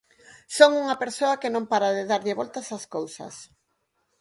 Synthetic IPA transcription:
soŋuŋɐpeɾsoɐkɪnõmpaɾaðɪðaɾðɪβolt̪asaskowsɐ̰s

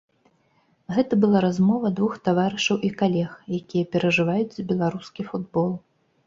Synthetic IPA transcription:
ɣɛt̪ɐbɨlˠaɾazmɔvɐd̪vuxt̪avaɾɨʂɐwʔikalʲɛxjakʲijɐpʲɛɾɐʐɨvajut͡sʲzbʲɛlˠaɾuskʲifud̪bɔlˠ

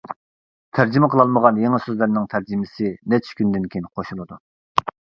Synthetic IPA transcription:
t̪ʰæɾd͡ʒimɛqʰəlˠɑlˠməʁɑnjeŋɪsøzlɪɾnɪŋt̪ʰæɾd͡ʒimɪsɪnɛt͡ʃʰkʲynd̪ɪnkʲʰejinqʰoʃulˠɨd̪u

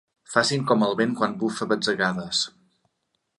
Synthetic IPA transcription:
fasiŋkɔməlˠβeŋkwanbufəβəd͡zəɣaðəs

